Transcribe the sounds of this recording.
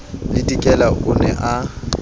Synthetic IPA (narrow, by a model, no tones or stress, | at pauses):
lɪtʼikʼɛlaʔʊnɛ̰ʔa